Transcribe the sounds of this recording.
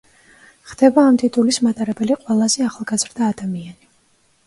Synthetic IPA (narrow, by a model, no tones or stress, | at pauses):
χd̪ɛbaːmt̪ʼit̪ʼulismat̪ʼaɾɛbɛliqʼwɛlˠazɛaχlˠɡazɾd̪aːd̪amiani